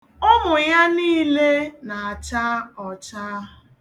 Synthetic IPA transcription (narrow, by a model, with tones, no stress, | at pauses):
ɔ˦mʊ˨ja˦niː˦le˦na˨a˨t͡ʃa˦ɔ˨t͡ʃa˦ɦʊ˨